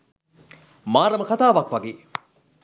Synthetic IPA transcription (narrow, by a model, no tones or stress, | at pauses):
maːɾɐməkat̪aːʋakʋaɡeː